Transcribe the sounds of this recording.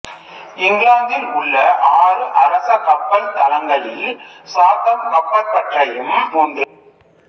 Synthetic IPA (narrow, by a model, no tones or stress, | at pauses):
ɪŋɡlaːŋɡ̪ɪlʊɭːɐʔaːɾɯʔɐɾɐsɐkɐpːɐlt̪ɐlɐŋɡɐɭɪlsaːt̪ːɐmkɐpːɐpːɐʈrɐjɯmpuːnd̪ɯ